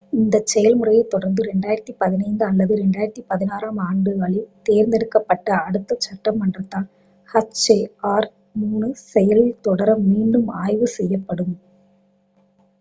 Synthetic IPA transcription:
ɪnd̪ɐt͡ʃːɛjɐlmɯrɐjɐɪt̪ːɔɽɐɾnd̪ɯɾɛɳɖaːjɪɾɐt̪ːipɐðɪnɐɪnd̪ɯɐlːɐðɯɾɛɳɖaːjɪɾɐt̪ːipɐðɪnaːɾaːmaːɳɖɯʋɐɭit̪eːɾnd̪ɛɽɯkːɐpːɐʈːɐːɽɯt̪ːɐt͡ʃːɐʈːɐmːɐɳdrɐt̪ːãːn | hɐt͡ʃeːaːɾ | muːnɯsɛjɐlɪt̪ɔɽɐɾɐmːiːɳɖɯmaːjʋɯsɛjːɐpːɐɽɯm

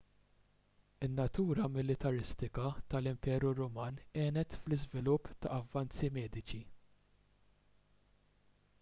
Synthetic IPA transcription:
ɪnːɐt̪uːɾɐmɪlɪt̪ɐɾɪst̪ɪkɐt̪ɐlɪmpɛːɾuɾɔmɐːnɛːnɛt̪flɪzvɪlʊpːt̪ɐɐvːɐnt͡simɛːd̪ɪt͡ʃi

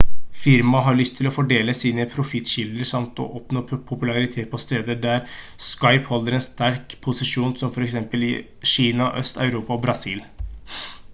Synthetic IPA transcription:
fɪɾmɑɦɑɭʏst̪ʰːɪlɔfɔɖeːləsiːnəpʰɾʊfɪt̪ːɕɪld̪əɾʂɑmt̪ɔ̰ʔɔpnoːpʰʊpʉlɑɾɪt̪ʰeːt̪̚pʰɔst̪eːd̪əɖ̪æɾ | skɑɪphɔlːəɾɛnst̪æɾkpʰʊsɪʂuːnsɔmfɔɾɛksɛmpəlɪ̰ | ʃiːnɑʔœst̪ɑ̰ʉɾuːpɑɔbɾɑsiːl

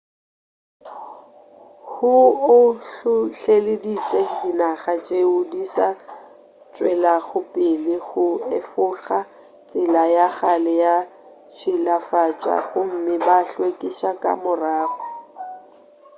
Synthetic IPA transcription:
hʊʊɬʊɬelɪdit͡sʼedinaχat͡ʃʼeʊdisa | t͡ʃʼwɛlaɣʊpʼɪlɪɣʊɪfʊχa | t͡sʼɪlajaχalɛja | t͡ʃʰɪlafat͡ʃʼa̰χʊm̩mɪbaɬwekʼɪʃakʼa̰mʊraːfʊ

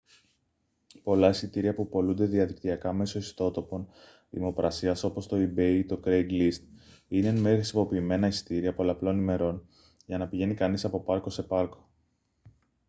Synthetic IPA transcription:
po̞lɐisit̪iɾiɐpupo̞lund̪e̞ðiɐðikt̪iɐkɐme̞so̞ist̪o̞t̪o̞po̞n | ðḭmo̞pɾʔɐsiɐso̞po̞st̪o̞ibet̪o̞kɾejɡlist̪ | inenmexɾisimo̞piːme̞nɐisi̥t̪iɾiɐpo̞lɐplo̞nime̞ɾo̞n | ʝɐnɐpiʝe̞nikɐnisɐpo̞pɐɾko̞se̞pɐɾko̞̥

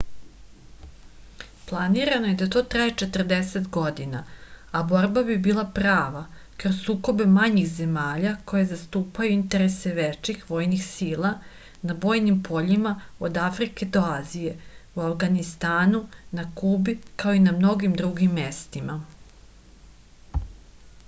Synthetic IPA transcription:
plˠaniɾano̞je̞d̪at̪o̞ːt̪ɾajet͡ʃe̞t̪ər̩d̪e̞set̪ɡo̞d̪inaabo̞ɾbabibiːlˠapɾaːʋa | kɾozsuːko̞be̞maɲixze̞maːʎako̞je̞zast̪uːpajuint̪e̞ɾese̞ʋet͡ʃixʋo̞ːjnixsiːlˠa | nabo̞ːjnimpʰo̞ʎimaod̪afɾike̞d̪o̞aːzije̞uafɡanist̪aːnunakubikao̞inamno̞ɡimd̪ɾuɡimːe̞st̪ima

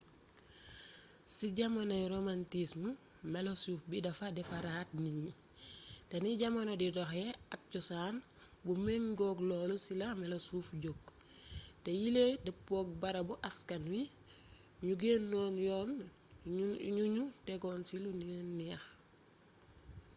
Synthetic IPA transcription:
siɟɐmanɐjɾomantismu | mɛlosuːfbidɐfadɛfaɾat̚niɲi | teniɟamanodidɔxɛɐk̚cusaːn | bumeŋɡɔkloːlusilamɛlosuːfɟok | tejiledipoːk̚bɐɾɐbuʔɐskɐnwi | ɲuɡeːnːɔːnjɔːn | ɲuɲutɛɡɔːnsiluniɛnːiɐx

